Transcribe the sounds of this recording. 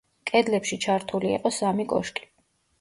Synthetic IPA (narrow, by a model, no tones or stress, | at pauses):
kʼɛd̪lɛpʃit͡ʃʰaɾt̪ʰuliḭqʼɔsamikʼɔ̰ʃkʼi̥